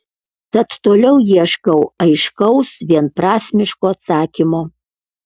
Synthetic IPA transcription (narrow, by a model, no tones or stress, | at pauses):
t̪ɐt̪t̪oːlʲɛʊjiɛʃkɐʊɐɪʃkɐʊsʋʲiɛnpɾɑːsʲmʲɪʃkoːɐt̪sɑːkʲɪmoː